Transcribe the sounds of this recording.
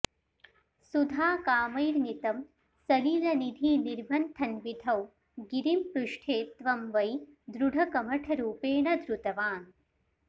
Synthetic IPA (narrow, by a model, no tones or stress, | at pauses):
sud̪ʱaːkaːmɐjɾnit̪ɐm | sɐliːlɐnid̪ʱiːniɾbʱɐnt̪ʰɐnʋid̪ʱɐw | ɡiɾimpɾuʂʈʰeːt̪ʋɐmʋɐjd̪ɾuɖʱɐkɐmɐʈʰɐɾuːpeːɳɐd̪ɾut̪ɐʋaːn